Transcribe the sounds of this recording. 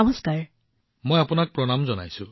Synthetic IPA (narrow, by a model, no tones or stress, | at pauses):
ʌmɔskaɹ | mojapunak̚pɹɔnamzɔna̰jsʊ